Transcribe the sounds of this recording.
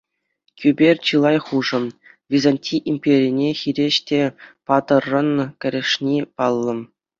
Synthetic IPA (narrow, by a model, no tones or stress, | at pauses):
kʲybʲerʲt͡ɕɯlˠɑjχuʐɤ̆m | vʲizɑnʲtʲiʔimʲpʲeɾʲinʲexʲiɾʲeɕtʲepɑt̪ɤ̆rːɤ̆nkʲɘ̆ɾʲɘ̆ʂnʲipɑlˠːɤ̆m